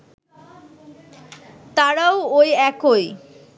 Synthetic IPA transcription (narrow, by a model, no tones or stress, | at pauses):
t̪aɾaoojɛkoj